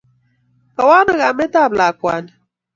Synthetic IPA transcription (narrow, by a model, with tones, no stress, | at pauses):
ka˨wa˦nə˨ɣa˨mɛ˦ta˦˨bla˨kwa˨n